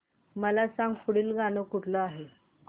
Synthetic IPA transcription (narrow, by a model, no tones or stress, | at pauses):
məlasaŋɡfuɽiːlɡanəkuʈʰləaɦe